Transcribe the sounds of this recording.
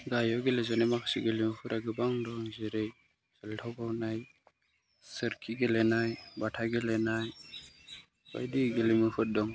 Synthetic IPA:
ɡajɔɡelezɔnajmakʰsiɡelimɯpʰɯtaɡɯbaŋdɔŋziɾej | z̥ɯltʰawbawnaj | sɯɾkʰiɡelenajbatʰaɡelenaj | ba̰jdiɡelimɯpʰɯt̚dɔŋ

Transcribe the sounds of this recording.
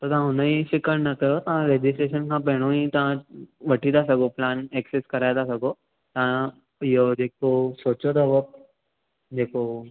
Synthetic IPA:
t̪ət̪ãɦũnəiɕikəɽnəkəjot̪ãɾed͡ʑisʈɾeɕənkãpeɽ̃ũĩt̪ãʋəʈʰit̪asəɡoplanekseskəɾajt̪asəɡo | t̪ã | jod̪ekosot͡ɕod̪əʋək̚ | d̪ekʰo

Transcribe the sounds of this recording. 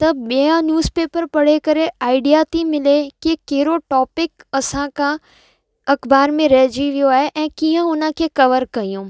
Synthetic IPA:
t̪ɐɓiãnjuːzpeːpəɾpɐɽ̤ekɐɾeaːɪɖijat̪imɪlekikɐɦɪɾoʈɔːpɪkɐsãkʰã | ɐkbaːɾmẽɾɐɦd͡ʑiʋijoaːɦeʔɛ̃ːkiːə̃ʊnəkʰekɐʋəɾkɐijũː

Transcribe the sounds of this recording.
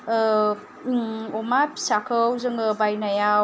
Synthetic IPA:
ɔmapi̥sakʰəwzɯŋɯbajnaja

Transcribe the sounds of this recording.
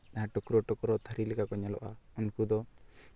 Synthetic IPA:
naʈɔkuɾɔʈɔkɔɾɔt̪ʰaɾilɛkakɔɲalɔ̰ʔa̰ɔnkud̪ɔ

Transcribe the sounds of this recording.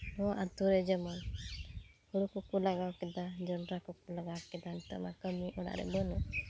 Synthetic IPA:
ɔʔat̪uɾɛd͡ʒɛmɔn | huɽukukulaɡawkɛd̪ad͡ʒɔnɾakukulaɡawkɛd̪ant̪ɔma̰kəmiʔɔɽa̰ɾɛ̰bɔnɔ

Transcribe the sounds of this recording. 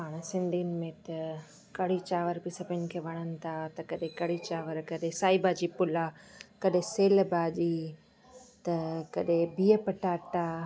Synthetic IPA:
ɦaːɽ̃sɪ̃nd̪ʱiːnmẽt̪ɐ | kɐɽ̤it͡ɕaːʋəɾbɪsɐbʱɪn̆kʰeːʋɐɽ̃ənɪ̆t̪ʰat̪ɐkɐɗẽkɐɽ̤it͡ɕaːʋəɾkɐɗẽsaːibaːd͡ʑiːpʊlakɐɗɦẽseːlbaːd͡ʒiː | t̪ɐkɐɗẽbiːəpɐʈaːʈa

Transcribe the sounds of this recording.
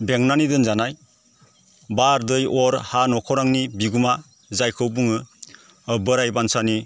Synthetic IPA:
beŋnanidɯnzanaj | baɾdɯjɔɾhanɔkʰɔɾaŋnibiɡuma | zajkʰɯwbuŋɯ | bɯɾajbansani

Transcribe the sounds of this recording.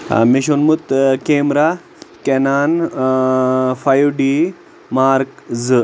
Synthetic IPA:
miʃonmut̪keːmɾa | kenaːn | fajuɖi | maːɾkzɨ

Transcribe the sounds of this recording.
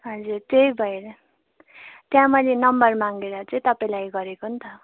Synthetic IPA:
ɦʌd͡zurt̪ejbʱʌeɾʌ | t̪jãmʌlenʌmbʌrmaŋɡeɾʌt͡sʌĩt̪ʌpaĩlajɡʌɾekoɦunt̪ʰʌ

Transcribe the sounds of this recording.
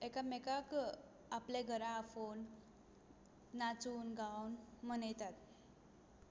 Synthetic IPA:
ekamekak | aplẽɡʱəɾãfon | at͡suːnɡawnmənəjt̪at̪

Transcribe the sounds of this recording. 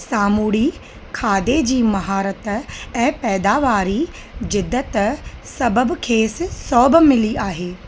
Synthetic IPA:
saːmuːɽi | kʰaːd̪ed͡ʑiːmɐɦaːɾət̪ɛ̃ːpɛːd̪aːʋaːɾi | zɪd̪ːət̪sɐbəbkʰeːssɔːbmɪliʔaːɦeː

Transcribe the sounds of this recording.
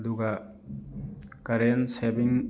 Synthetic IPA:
d̪uɡa | kɐɾensebiŋ

